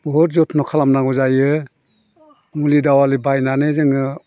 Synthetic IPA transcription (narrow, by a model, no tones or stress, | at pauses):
bɦɔtzɔtʰnɔkʰalamnaŋɔzajɯ | mulidawalibajnanɯzɯŋɯ